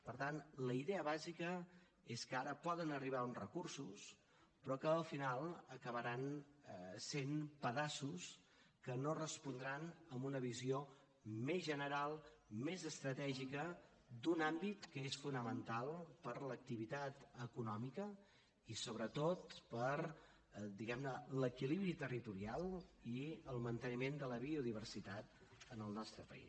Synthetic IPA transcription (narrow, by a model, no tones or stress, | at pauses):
pəɾt̪anləiðɛəβazikə | eskəaɾəpɔðənəriβ̞aunrə̰kursus | pɾɔkəːlˠfinalˠəkəβəɾan | senpəðasus | kənorəspund̪ɾanəmbunəβizio | mezʒənəɾalˠmezəst̪ɾət̪ɛʒikə | d̪unambit̪kəesfunəmənt̪alˠpəɾlək̚t̪iβit̪at̪əkunɔmikə | isoβɾət̪ot̪̚pəɾ | d̪iɣɛmnələkiliβɾit̪ərit̪uɾialˠiəlˠmənt̪ənimend̪ələβiuðiβ̞ərsit̪at̪̚ənəlˠnɔst̪ɾəpə̰ḭs